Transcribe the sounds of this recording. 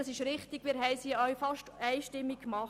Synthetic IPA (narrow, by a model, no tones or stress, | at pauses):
ɑsɪʃɾɪχt̪ɪɡ̥miːɾɦɛɪsiːœʏfɑʃtɛɪʃtɪmːikːmɑχ